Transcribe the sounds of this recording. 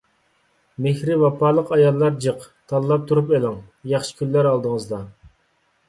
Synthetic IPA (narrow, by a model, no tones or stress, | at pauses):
mɪhɾɪvɑpʰɑːlˠəqɑjɑlˠːɑɾd͡ʒəq | t̪ʰɑlˠlːˠɑp̚t̪ʰuɾupelɪŋ | jɑχʃɪ̥kʲʰylːæɾɑlˠd̪əŋəzd̪ɑ